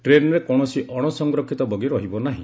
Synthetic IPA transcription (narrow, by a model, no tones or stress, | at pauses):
ʈɾenɔɾekɔɽ̃ɔsiʔɔɽ̃ɔsɔŋɡɾɔkʰːit̪ɔbɔɡiɾɔɦibɔnaɦḭ̃